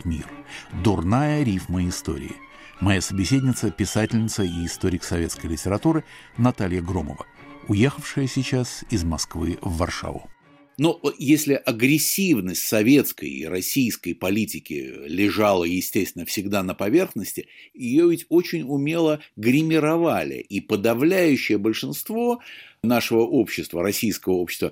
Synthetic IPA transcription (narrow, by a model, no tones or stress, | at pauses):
t̪mʲḭrd̪ʊrnajəɾʲifməɪst̪o̞̰ɾʲɪ̰ɪ̰ | mɐjasəbʲɪsʲedʲnʲɪt̪səpʲɪsatʲɪlʲnʲɪt̪səiːst̪o̞ɾʲɪksɐvʲe̞t̪skəjlʲɪtʲɪɾɐt̪uɾɨnɐt̪alʲjəɡɾo̞mə̰və̰ʊjexəfʂɨjəsʲɪt͡ɕasɪzmɐskvɨvːɐrʂa̰vʊ̰ | nojesʲlʲɪʔɐɡɾʲɪsʲːivnəsʲtʲsɐvʲe̞t̪skə̰jḭɾɐsʲijskəjpɐlʲitʲɪkʲɪ̰lʲɪʐalˠəjɪsʲtʲesʲt̪vʲɪnːəfsʲɪɡd̪anəpɐvʲe̞rxnəsʲtʲɪjɪjovʲɪtʲo̞t͡ɕɪnʲʊmʲelˠəɡɾʲɪmʲɪɾɐvalʲɪ̰ʔipəd̪ɐvlʲæjʉɕːɪjəbəlʲʂɨnst̪vo̞naʂəvəʔo̞pɕːɪst̪vəɾɐsʲijskəvəo̞pɕʲɪst̪və